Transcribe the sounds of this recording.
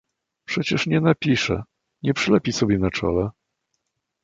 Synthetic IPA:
pʂɛt͡ɕɛʂɲɛnapʲiʂɛ̰ | ɲɛpʂɘlɛpʲisɔbʲjɛnat͡ʂɔ̰lɛ

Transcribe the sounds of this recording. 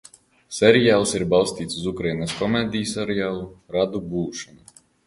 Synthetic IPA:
sʲɛɾijaːlˠsiɾbɑlˠsʲt̪ʲiːt̪suzukɾajnaskɔmeːd̪ʲijusaɾɛjaːlˠuɾad̪ubuːʃɔnu

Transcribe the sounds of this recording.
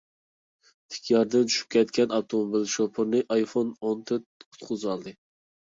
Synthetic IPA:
t̪ʰɪ̥kʲʰjɑɾd̪ant͡ʃʰy̥ʃy̥p̚kʲʰɛt̪̚kʲɛnɑb̚t̪ʰomobɪlʃopʰɨɾnɪʔɑjfonont̪ʰɪt̪ʰʊ̥t̪qʰʊzɑlˠd̪ɨ

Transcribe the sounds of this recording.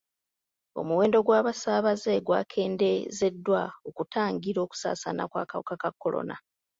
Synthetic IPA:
o̞̰muwe̞ːndo̞ɡwaːβasaːβaze̞ɡwa̰ːkʰe̞ːndeze̞dːwaokutaːŋɡiɾo̞ːku̥sa̰ːsana̰kwa̰ːkawokakakːo̞lo̞̰na

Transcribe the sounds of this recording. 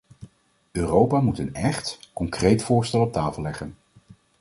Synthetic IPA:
øːrowpaːmutənɛχtkɔŋkrejtfʊːɹstɛlˠɔp̚taːfəlˠɛχən

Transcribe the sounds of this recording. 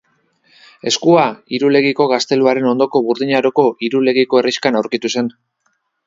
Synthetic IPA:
e̞skuaiɾule̞ɣiko̞ɣ̞ast̪e̞luaɾe̞no̞nd̪o̞ko̞βuɾðiɲaɾo̞ko̞ʔiɾule̞ɣiko̞e̞riʃkanawɾkit̪use̞n

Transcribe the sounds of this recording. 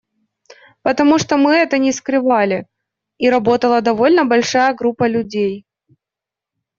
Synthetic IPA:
pət̪ɐmuʂt̪omɨɛt̪ənʲɪskɾɨvalʲɪ | iɾɐbo̞t̪əlˠəd̪ɐvo̞lʲnəbɐlʲʂajəɡɾupːəlʲʉdʲej

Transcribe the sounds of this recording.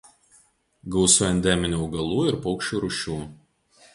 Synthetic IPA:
ɡɐʊsʊɛnʲd̪ʲɛmʲɪnʲuːʊɡɐlˠuːɪɾpɔʊkʃʲt͡ʃʲuːɾʊʃʲuː

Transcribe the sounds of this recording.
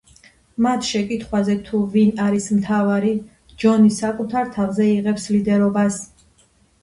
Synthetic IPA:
mat̪ʰʃɛkʼit̪ʰχwazɛt̪ʰuvinaɾismt̪ʰavaɾi | d͡ʒɔnisakʼut̪ʰaɾt̪ʰavzɛiʁɛpslid̪ɛɾɔbas

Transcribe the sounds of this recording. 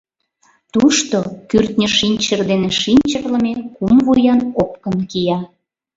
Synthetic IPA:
t̪uʃt̪okyrt̪nʲəʃinʲt͡ɕərd̪eneʃinʲt͡ɕərlə̆mekumvujɑnop̚kənkijɑ

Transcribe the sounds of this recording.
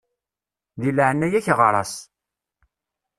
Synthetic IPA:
ðilʕənːæjæçʁɾˤɑ̰s

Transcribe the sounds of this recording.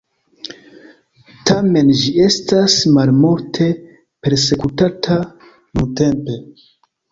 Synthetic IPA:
tame̞nd͡ʒie̞stasmalmoɾtʰe̞ | pe̞ɾse̞kutatʰa | nunte̞mpe̞

